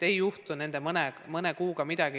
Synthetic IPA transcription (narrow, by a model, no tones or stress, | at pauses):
ejuht̪une̞nd̪emɤnemɤnekuːɡ̥ɑmid̪̥ɑɡ̥i